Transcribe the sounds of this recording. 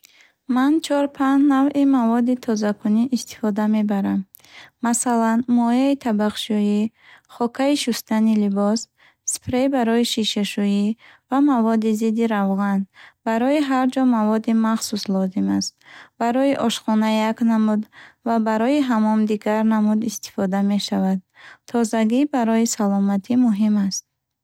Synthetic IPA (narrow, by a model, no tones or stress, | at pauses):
mant͡ʃʰɔɾpʰanːavimavɔd̪it̪ʰɔzakʰuniʔːst̪i̥fɔd̪ame̞baɾamː | asalanmɔjait̪ʰabaqʃuji | χɔkʰaiʃust̪anilibɔs | spʰɾebaɾɔjiʃiʃaʃujivamavɔd̪izid̪iɾavʁanbaɾɔiɦaɾd͡ʒɔmavɔd̪imaχsuslɔzimast̪̚baɾɔjiʔɔʃχɔnajaknamud̪vabaɾɔiɦamɔmd̪iɡaɾnamud̪ist̪i̥fɔd̪ame̞ʃavad̪̚t̪ʰɔzaɡibaɾɔjisalɔmat̪ʰimuɦimast̪̚